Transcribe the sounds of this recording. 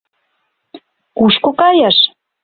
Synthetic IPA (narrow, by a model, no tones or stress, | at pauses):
kuʃkokɑjɑʃ